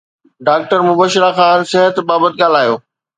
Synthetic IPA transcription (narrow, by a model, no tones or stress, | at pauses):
ɖaːk̚ʈəɾmʊbəʃɪɾaxãːnsɪɦət̪baːbət̪̚ɡaːl̤aːjoː